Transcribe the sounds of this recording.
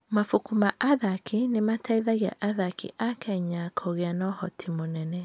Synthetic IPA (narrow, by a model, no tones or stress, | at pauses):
mafukumaʔaðakʰinematʰaiðaɣea̰ʔaðakḭʔakɛɲakʰɔɣeanɔhɔtʰimonɛnɛ